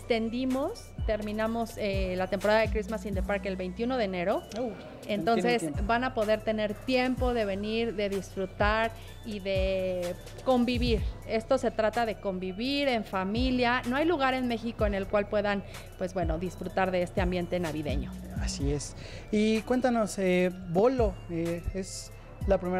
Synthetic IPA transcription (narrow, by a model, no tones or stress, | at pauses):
t̪e̞nd̪imo̞s | t̪e̞ɾmĩnamo̞selat̪e̞mpo̞ɾaðaðekɾizmasind̪epaɾke̞lβe̞jnt̪juno̞ðe̞ːne̞ɾo̞ | ent̪o̞nssesbanapo̞ðe̞ɾt̪e̞ne̞ɾt̪je̞mpo̞ðe̞βe̞niɾðe̞ðisfɾut̪aɾ | iðe̞ | ko̞mbiβiɾe̞st̪o̞se̞t̪ɾat̪aðe̞ko̞mbiβiɾe̞ɱfamiljano̞ajluɣ̞aɾe̞nme̞xiko̞ene̞lkwalpwe̞ðan | pwe̞zbwe̞no̞ðisfɾut̪aɾðe̞est̪eambje̞nt̪e̞naβiðe̞̰ɲo̞asies | ikwe̞nt̪anoseboloees | lapɾime